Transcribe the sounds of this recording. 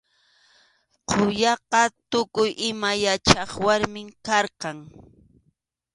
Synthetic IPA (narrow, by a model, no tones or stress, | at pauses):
qʰojɑqɑt̪ʊkʊjʔɪmajat͡ʃɑχwaɾmɪŋkɑɾqɑŋ